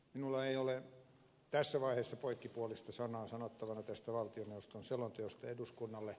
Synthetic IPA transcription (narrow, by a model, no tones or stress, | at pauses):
minulːɑeiole | t̪æsːæʋɑiheːsːɑpoikːipuolist̪ɑsɑnɑːsɑnot̪ːɑʋɑnɑt̪æst̪æʋɑlt̪ioneust̪onselont̪eost̪ɑeduskunːɑlːe